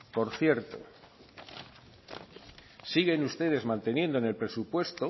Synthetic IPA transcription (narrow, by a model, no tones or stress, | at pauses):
po̞ɾθje̞ɾt̪o̰ | siɣe̞nust̪e̞ðe̞zmãnt̪e̞nje̞nd̪oene̞lpɾe̞supwe̞st̪o